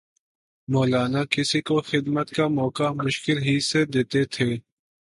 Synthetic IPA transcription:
mɔːlaːnakɪsikoxɪd̪mət̪kamɔːkamʊʃkɪlɦised̪eːt̪et̪ʰeː

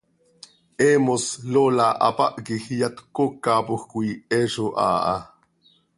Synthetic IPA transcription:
ʔeːmoslolaʔɑ̰pa̰ʔkixjat̪kokːaːpoxkʷuieːʃoʔa̰ːʔɑ̰

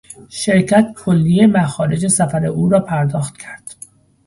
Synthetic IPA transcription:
ʃeɾcʰæt̪kʰolːijemæxɒːɾe̞d͡ʒe̞sæfæɾe̞ʔuːɾɒːpʰæɾd̪ɒːxt̪cʰæɾd̪̥

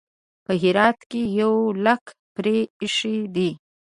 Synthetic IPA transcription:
pəɦɪɾɑt̪kejawlak | pɾeɪʂed̪i

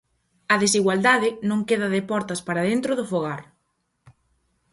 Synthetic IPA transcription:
ɐðesiɣwald̪aðɪnõŋkeðɐðɪpɔɾt̪ɐspaɾaðent̪ɾʊðʊfoɣ̞aɾ

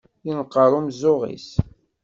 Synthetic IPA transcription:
jinəqːəɾˤumzːʊʁḭs

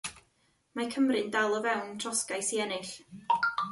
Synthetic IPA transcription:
makʰəmrɨndalˠɔvɛwntʰrɔskajsiɛnɪɬ

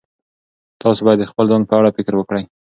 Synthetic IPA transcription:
t̪ʰɑsobɑjad̪d̪ːəxpəlzɑnd̪̚pəaɽafɪkɾwəkɽəj

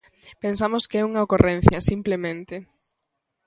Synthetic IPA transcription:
pensamoskeɛuŋɐokorʔɛ̃n̟θjɐsimplemẽnt̪ɪ

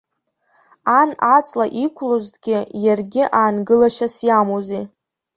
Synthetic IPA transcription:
anat͡sʼlaʔikʷʰlozdɡʲɪjarɡʲɪʔaːnɡɨlaʃasjamozi

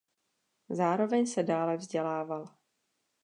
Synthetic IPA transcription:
zaːɾo̞vɛɲsɛdaːlɛvzɟɛlaːval

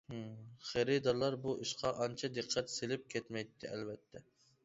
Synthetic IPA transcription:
χeɾɪd̪ɑɾlˠɑɾbuʔiʃqʰɑʔɑnt͡ʃʰɑd̪ɨqʰːɛt̪selɪp̚kʲʰɛt̪mɛjt̪ʰːɪɛlvɛt̪ʰːɛ

